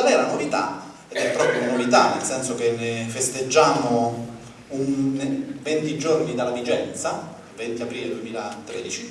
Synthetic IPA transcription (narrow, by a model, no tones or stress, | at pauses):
lɛlanovit̪a̰ | ed̪ɛpːɾɔːpɾjonanovit̪anːelsɛnsok̟enːefest̪ed͡ʒːaːmo | un | vent̪id͡ʒornid̪alavid͡ʒɛnt̪sa | vɛnt̪iapɾiːled̪uemiːlat̪ɾeːd̪it͡ʃi